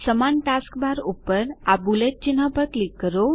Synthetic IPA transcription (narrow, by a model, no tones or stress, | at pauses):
səmanʈaskbaɾupəɾabulet̪̚t͡ɕinɦapəɾklikːəɾo